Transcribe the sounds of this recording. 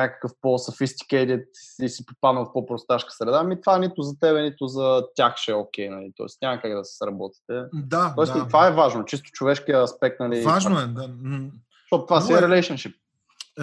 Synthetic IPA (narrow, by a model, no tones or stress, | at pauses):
nakə̥kəfposɐfist̪i̥kɛd̪it̪isipopad̪nəlˠfpopɾost̪aʃkə̥sɾɛd̪aːmit̪vaɛnit̪ʊzɐt̪ɛβɛnit̪ʊzɐt̪ʲaxʃɛok̟ɛjnɐlit̪ɔ̰ɛ̰snʲaməkaɡd̪ɐsi̥sɾɐbɔt̪i̥t̪ɛd̪aɔɛsit̪vaɛvaʒnot͡ʃis̬t̪ʊ̥t͡ʃovɛʃkijəɐspɛk̚t̪nɐlivaʒnoɛd̪a | ʃt̪ɔt̪ʊt̪vasɛɾɛlɛʃənʃip̚